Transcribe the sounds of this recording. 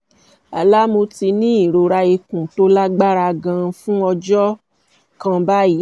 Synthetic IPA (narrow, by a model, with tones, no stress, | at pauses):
a̰˨la˦mo˧ti˧nĩ˦i˦˨ɾo˧ɾa˧i˧kũ˨to˦la˦ɡ͡ba˦ɾa˧ɡã˧fũ˦ɔ˧d͡ʒɔ˦ | kã˧ba˦i˨˦